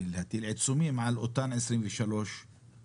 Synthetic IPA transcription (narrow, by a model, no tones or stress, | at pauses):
lhat̪ːɪlʕɪt̪sumiːmaʕalʔʊt̪ˤːaːnʕɪsɾiːnviʃaloːʃ